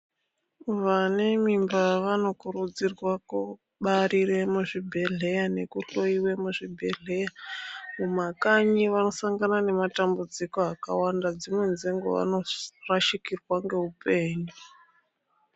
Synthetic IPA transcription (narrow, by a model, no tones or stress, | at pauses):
ʋane̞mimbaʋano̞kuɾud͡zirwaku | ɓaɾiɾe̞muʐibʱe̞ɮe̞jane̞kuɬo̞iwe̞muʐibʱe̞ɮe̞jamumakaɲiʋano̞saŋɡanane̞matambud͡ziko̞aka̰wandad͡zimwe̞nzeŋɡo̰ʋa̰no̞raʃikirwaŋɡe̞upe̞ːɲu